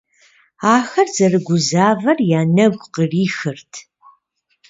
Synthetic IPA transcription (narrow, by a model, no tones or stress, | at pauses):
aːxɐrz̥ɐrɨɡʷʊzaːvɐrjaːnɐɡʷʼqəriːxɨrtʰ